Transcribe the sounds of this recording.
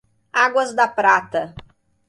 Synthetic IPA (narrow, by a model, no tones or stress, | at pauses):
aɡwɐzd̪ɐpɾat̪ɐ